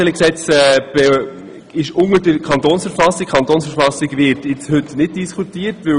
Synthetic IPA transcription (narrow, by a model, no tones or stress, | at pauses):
ɛləksɛt͡sɛb̥ɛ | ɪʃʊŋədəkʰɑntoːnsfəɾfɑsik̚kʰɑnt̪oːnsfəɾfɑsɪɡʋɪtjɪt͡shʏtnɪd̚d̥iskutiːəɾtʋɵ